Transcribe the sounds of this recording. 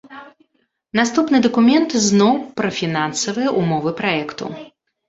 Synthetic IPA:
nast̪upnɨd̪ɐkumʲɛnt̪znɔwpɾɐfʲinansɐvɨjɛʔumɔvɨpɾajɛkt̪ṵ

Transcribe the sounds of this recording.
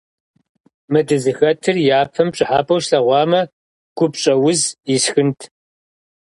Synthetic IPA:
mɨdɨzɨxɐtʰɨrjaːpʰɐmpɕʼɪħaːpʼɐwʃɬɐʁʷɑːmɐ | ɡ̥ʷʊpɕʼɐwʊzɪsxɨntʰ

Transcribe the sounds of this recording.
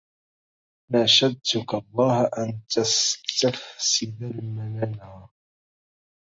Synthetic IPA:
naʃad̪̚t̪ʊkalˤːɑːhʔant̪ast̪afsɪd̪almanan

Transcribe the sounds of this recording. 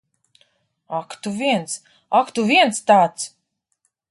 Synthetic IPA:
akt̪uviɛns | akt̪uviɛnst̪aːt̪s

